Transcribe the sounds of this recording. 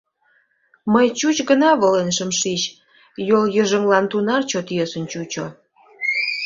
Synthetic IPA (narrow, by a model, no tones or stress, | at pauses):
məjt͡ɕut͡ɕɡənɑβolenʃəmʃit͡ɕ | joljəʒəŋlɑnt̪unɑrt͡ɕot̪jøsənt͡ɕut͡ɕo